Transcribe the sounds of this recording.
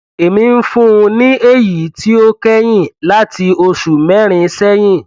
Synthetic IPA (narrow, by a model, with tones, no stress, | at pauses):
e˨mĩ˧n̩˦fũ˦˧nĩ˦e˦˨ji˨˦ti˦o˦kɛ˦j̃ĩ˦˨la˦ti˧o˧ʃu˨mɛ̃˨˦ɾ̃ĩ˧˦sɛ˦j̃ĩ˦˨